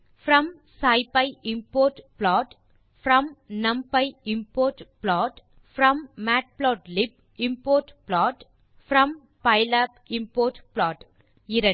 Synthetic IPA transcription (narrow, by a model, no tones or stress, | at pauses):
fɾɐ̃m | saɪpɐɪɪmpoːɾʈplɔːʈ | fɾɐ̃mnɐ̃mpɐɪɪmpoːɾʈplɔːʈ | fɾɐ̃mːaːʈ̚plɔːʈlɪp | ɪmpoːɾʈplɔːʈ | fɾɐ̃m | pɐɪlapɪ̃mpoːɾʈplɔːʈ | ɪɾɐ